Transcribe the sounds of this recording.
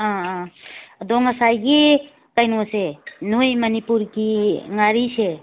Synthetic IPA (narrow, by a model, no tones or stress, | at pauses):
ã | d̪ɔŋəsajɡi | kajnusenujmənipuɾkiŋaɾise